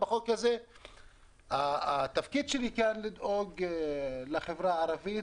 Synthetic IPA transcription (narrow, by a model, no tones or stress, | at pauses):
baχokaze | at̪afkid̪ʃelikanlid̪oɡ | leχevʁaːʁavit